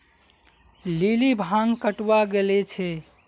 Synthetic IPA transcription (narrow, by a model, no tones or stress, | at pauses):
lilibʱaŋkəʈwaɡelɛt͡ʃʰɛ